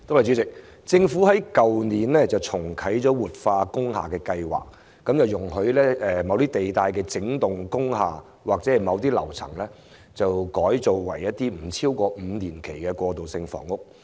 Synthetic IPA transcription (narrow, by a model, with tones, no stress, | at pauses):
t̪o˥whɐ˨˩t͡syː˨˥t͡sɪ˨k̚ | t͡sɪ˧ŋfu˨˥hɐ˨˥jkɐ˨wniː˨˩nlɛː˥t͡sɐ˨wt͡sʰʊ˨˩ŋkʰɐ˨˥jt͡sɔː˨˥wuː˨t̚faː˧kʊ˥ŋɦa̰ː˨˩kɛː˧kɐ˧jwa̰ː˨˩k̚ː | ɐ˨˥mt͡sɐ˨wjʊ˨˩ŋhɵ˧ɥlɛː˥ɛː˨mɐ˨˧wt̪iː˥t̪e˨jt̪aː˧jkɛː˧t͡sɪ˨˥ŋt̪ʊ˨ŋkʊ˥ŋhaː˨ | waː˨k̚t͡sɛː˨˥ɛ˨˩mɐ˨˧wt̪iː˥lɐ̰˨˩wt͡sʰɐ̰˨˩ŋlɛː˥ | t͡sɐ˨wkɔː˨˥jt͡so˨wwɐ˨˩jːɐ˥t̚t̪iː˥m̩˨˩t͡sʰiː˥wkɔː˧m̩˨˧niː˨˩nkʰe˨˩jkɛː˧kɔː˧t̪o˨wsɪ˧ŋfɔ̰ː˨˩ŋʊ˥k̚